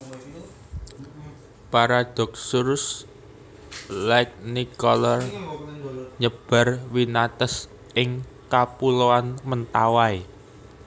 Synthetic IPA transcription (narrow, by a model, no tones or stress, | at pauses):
paɾad̪̥ɔ̤k̚surs | lak̚nikɔlɔr | ɲəb̥a̤rwinat̪ɛs | ɪŋkapuloanmənt̪awae